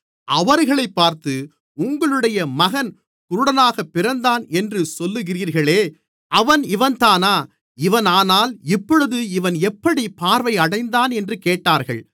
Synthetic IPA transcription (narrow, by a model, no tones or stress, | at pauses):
ʔɐʋɐɾɣɐɭɐɪpːaːɾt̪ɯ | ʊŋɡɐɭɯɽɐjɐmɐɣɐn | kʊɾʊɽɐnaːɣɐpːɪɾɐnd̪aːnɛndrɯsɔlːɯɣɪriːɾɣɐɭeː | ʔɐʋɐnɪʋɐnt̪aːnaː | ɪʋɐnaːnaːlɪpːɔɻɯðɯɪʋɐnɛpːɐɽipaːɾʋɐɪɐɽɐɪnd̪aːnɛndrɯkeːʈːaːɾɣɐ̰ɭ